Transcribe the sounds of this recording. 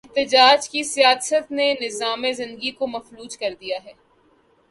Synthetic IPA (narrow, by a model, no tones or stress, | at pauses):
ɪɦt̪ɪd͡ʒaːd͡ʒkisijaːsət̪nenɪzaːmezɪ̃nd̪əɡikomɐfluːd͡ʒkɐɾd̪ijaɦɛː